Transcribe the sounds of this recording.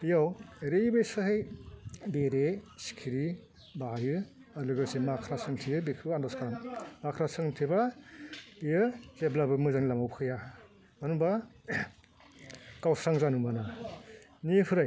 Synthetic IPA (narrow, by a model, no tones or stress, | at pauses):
ijaweɾejbejsɯɦɯj | beɾesi̥kʰiɾi | bajɯ | alɯɡɯsimakʰɾasɯŋtʰijɯbekʰɯandaskʰaɾammakʰɾasɯŋtʰiba | jɯzeblabɯmɯzaŋilamawkʰɯja | manuba | kawsɾaŋzanɯmana | nipʰɯɾaj